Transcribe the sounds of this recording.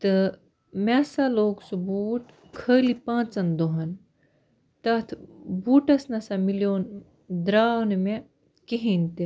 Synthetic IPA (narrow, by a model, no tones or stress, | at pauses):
t̪ɨ | masaloːksubuːʈ | kʰəlipãːt͡sɐnd̪oɦɐn | t̪ɐt̪ʰbuːʈɐsnɐsamiljoːn | d̪ɾaːnme | keɦint̪e